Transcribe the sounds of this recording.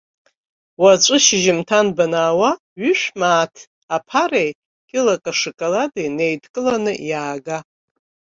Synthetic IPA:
wat͡ʃʷʼɨʃɪʒɪmtʰanbanaːwa | ɥʏʃʷᶣmaːtʰ | apʰarej | kʲʼɪlakʼaʂɨkʼaladene̞jdkʼɨlanɨjaːɡa

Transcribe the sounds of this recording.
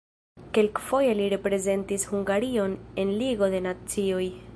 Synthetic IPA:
ke̞lkfo̞je̞liɾe̞pɾe̞ze̞ntishuŋɡaɾio̞ne̞nliɡo̞de̞nat͡sio̞j

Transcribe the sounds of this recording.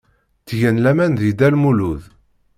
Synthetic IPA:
t͡sːʝænlæmænðid̪ælmuluð

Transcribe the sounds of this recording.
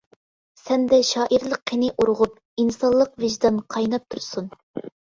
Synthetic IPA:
sɛnd̪ɛʃɑːʔiɾlˠəqːinɪʔuɾʁʊp̚ | insɑllˠːəqvɪʒd̪ɑnqʰɑjnɑp̚t̪ʰuɾsun

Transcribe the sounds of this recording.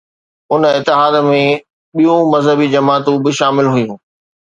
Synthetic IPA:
ʊnɪt̪ːɪɦaːd̪mẽ | ɓijũmɐzɦəbid͡ʑɐmaːt̪ũbɪʃaːmɪlɦʊjũː

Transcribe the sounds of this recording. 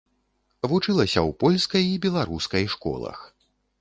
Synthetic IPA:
vut͡ʂɨlˠɐsʲɐ̰wpɔlʲskɐjibʲɛlˠaɾuskɐjʂkɔ̰lˠɐ̰x

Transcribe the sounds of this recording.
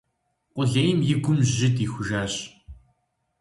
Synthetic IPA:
qʷʊɮeːjmjɪɡʷʊmʑʑɪdiːxʷʊʒaːɕ

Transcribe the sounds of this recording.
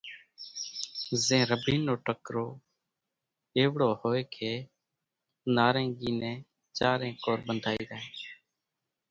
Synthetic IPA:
zẽːɾəbiːnːoːʈəkɾoː | eːʋɽoːhoːeːkʰeː | naːɾẽːŋɡiːnɛ̃ː | t͡ʃaːɾẽːkoːɾɓənd̪ʱaːiːɾəɦẽː

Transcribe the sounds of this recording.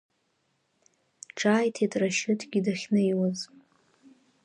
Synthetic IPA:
ʈ͡ʂʰʼaːjtʰitʼraʃɪtʰɡʲidaχʲnɨjwaz

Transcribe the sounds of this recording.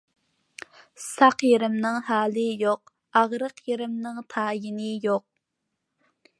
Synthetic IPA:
sɑqjeɾɪmnɪŋhɑːlˠɨjoq̚ | ɑʁɾəqjeɾɪmnɨŋt̪ʰɑːjɪnɪjoq̚

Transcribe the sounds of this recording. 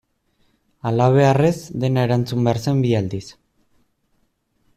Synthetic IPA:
alaβ̞e̞arezd̪e̞naeɾant͡sumbeaɾse̞mbiald̪is

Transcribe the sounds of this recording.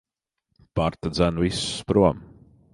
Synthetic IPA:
paɾt̪ad̪zænvisspɾuɔm

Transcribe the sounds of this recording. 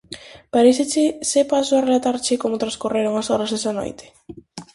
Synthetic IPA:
paɾeset͡ʃesepasoarelat̪aɾt͡ʃekomot̪ɾaskureɾoŋasɔɾazðesano̰jt̪ʰe̥

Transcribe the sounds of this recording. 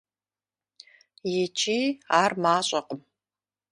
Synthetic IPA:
jɪt͡ʃʰiːaːrmaːɕʼɐqʼəm

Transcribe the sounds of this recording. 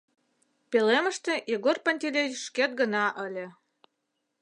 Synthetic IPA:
peleməʃt̪ĕjeɣorpanʲt̪ʲilʲeʃket̪̚ɡə̆nɑʔəlʲĕ

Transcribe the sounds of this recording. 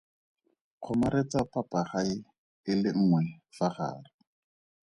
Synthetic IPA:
q͡χʰɔmaɾet͡sapapaχaɪ | ɪlɪŋ̩ːŋwɛfaχa̰ːrɪ

